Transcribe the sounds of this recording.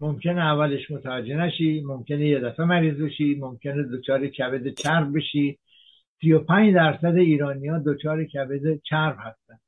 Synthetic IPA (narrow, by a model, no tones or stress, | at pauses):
momcʰʲe̞neævːæle̞ʃmo̞t̪ʰævæd͡ʒːe̞næʃiːmo̞mcʲʰe̞nejed̪æfemæɾiːzbe̞ʃiːmomcʲʰe̞ned̪ot͡ʃʰɒːɾecʰæbed̪et͡ʃʰæɾbbeʃiː | sijopʰæːɲd͡ʒd̪æɾsæd̪eiːɾɒːnijɒːd̪ot͡ʃʰɒːɾecʰæbed̪et͡ʃʰæɾbhæst̪ænd̪̥